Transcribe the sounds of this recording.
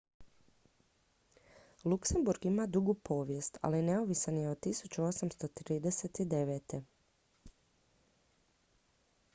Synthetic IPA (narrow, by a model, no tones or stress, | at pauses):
lˠukse̞mbuɾɡimad̪uɡupʰo̞ːʋje̞st̪a̰line̞oʋisanjeod̪̚t̪ːisut͡ɕuo̞samst̪ot̪ɾiːd̪eset̪id̪e̞ʋet̪e̞